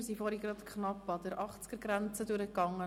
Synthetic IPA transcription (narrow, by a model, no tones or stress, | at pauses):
sifɔːɾhiɡɾɑt̪kχnɑpːɑd̥̪əɾʔɑχt͡skəɾɡɾænt͡səduɾəkːɑŋːə